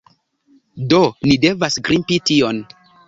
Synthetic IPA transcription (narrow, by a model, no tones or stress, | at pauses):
donide̞vasɡɾimpition